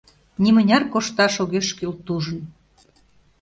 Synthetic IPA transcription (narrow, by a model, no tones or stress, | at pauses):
nimə̆nʲɑrkoʃt̪ɑʃoɣeʃkylt̪uʒə̆n